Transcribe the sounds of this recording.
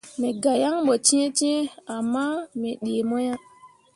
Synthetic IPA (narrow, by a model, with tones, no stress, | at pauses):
me˨ɡa˨ja˦ŋɓo˨t͡ʃi˦e˦t͡ʃi˦e˦a˨mːa˦me˨ɗe˨mo˦ja˦